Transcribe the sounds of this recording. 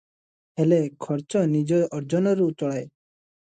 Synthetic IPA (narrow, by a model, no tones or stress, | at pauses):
helekʰɔɾt͡ʃɔnid͡ʒɔʔɔɾd͡ʒɔnɔɾut͡ʃɔɽaj